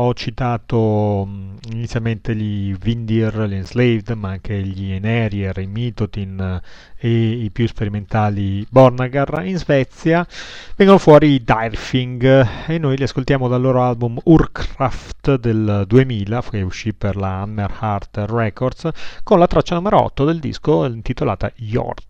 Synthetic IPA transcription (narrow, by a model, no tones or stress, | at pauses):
ɔt͡ʃit̪aːt̪o | init̪sjalment̪eʎivind̪iɛrʎinzlevd̪maaŋkʰeʎinɛɾjɛrimiːt̪ot̪in | eipjuspeɾiment̪aːlibɔrnaɡarinzvɛt̪sːjavɛŋɡonofwɔːɾid̪arfiŋɡenːojliaskolt̪jaːmod̪alːoːɾoalbumurkʰɾaft̪d̪eld̪uemiːlafuʃːipːerlaanːerhart̪rɛkord̪skonlat̪ɾat͡ʃːanumeɾoɔ̰t̪ːod̪eld̪ḭskoint̪it̪ola̰ːt̪a̰jɔ̰rd̪